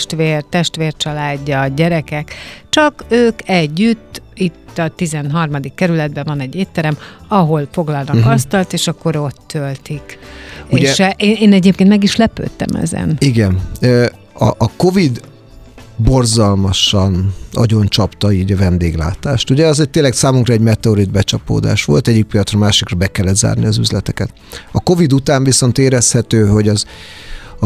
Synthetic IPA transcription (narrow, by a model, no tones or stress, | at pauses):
ʃt̪ʋeːrt̪ɛʃt̪ʋeːrt͡ʃɒlaːɟːɒɟɛɾɛkɛkt͡ʃɒkøːkɛɟːyt̪ːit̪ːɒt̪izɛnɦɒrmɒd̪ikːɛɾylɛd̪̚bɛvɒnɛɟːeːt̪ːɛɾɛmɒɦo̞lfo̞ɡlɒlnɒkɒst̪ɒlt̪eːʃɒkːo̞ɾo̞t̪ʰːølt̪ikueːɛʃʔeːneːnɛɟeːp̚kenmɛɡiʃlɛpø̰ːt̪ːɛ̰mɛ̰zɛ̰niɡɛnø | ɒ̰ʔːko̞vid̪ | bo̞rzɒlmɒʃɒnɒ̰ɟo̞nt͡ʃɒpt̪ɒiːɟɒvɛnd̪eːɡla̰ːt̪aːʃt̪uɟɛɒzɛt̪eːlːɛksaːmuŋkrɒɛɟmɛt̪ɛoɾid̪̚bɛt͡ʃɒpo̰ːd̪a̰ːʃʋo̞̰lt̪ɛɟːik̚pijɒt̪srɒmaːʃikrɒbɛkɛlːɛd̪za̰ːrniɒzy̰zlɛt̪ɛkɛt̪ | ɒko̞vid̪ut̪aːɱviso̞nt̪eːɾɛshɛt̪øːɦo̞ɟɒz